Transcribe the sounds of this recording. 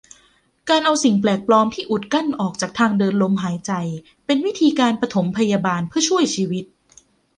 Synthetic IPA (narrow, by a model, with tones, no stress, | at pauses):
kaː˧nʔa˧wsi˨˩ŋplɛː˨˩k̚plɔː˧mt̪ʰiː˥˩ʔu˨˩t̪̚ka˥˩nʔɔː˨˩k̚t͡ɕaː˨˩k̚t̪ʰaː˧ŋdɤː˧nlo˧˥mɦaː˩˦jt͡ɕa˧j | pe˧nwi˦˥t̪ʰiː˧kaː˧npɾa˧t̪ʰo˩˦mpʰa˧jaː˧baː˧npʰɯ˥˩ɐt͡ɕʰu˥˩əjt͡ɕʰiː˧wi˦˥t̪̚